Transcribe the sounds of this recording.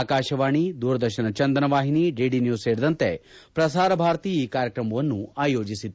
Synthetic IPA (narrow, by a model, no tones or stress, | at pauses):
akaːʃɐʋaːɳ̃id̪uːɾd̪ɐɾʃɐnɐt͡ʃɐnd̪ənɐʋaːɦiniɖeːɖinjuːzseːɾd̪ɐnt̪epɾɐsaːɾɐbʱaːɾt̪iːiːkaːɾjəkɾɐmoʋɐnːuaːjoːd͡ʒisit̪ː